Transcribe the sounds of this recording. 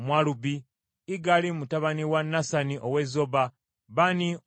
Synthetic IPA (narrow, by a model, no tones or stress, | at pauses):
mwalubiː | ɡalimutaβaniwanːasaniʔowezo̞ba | βani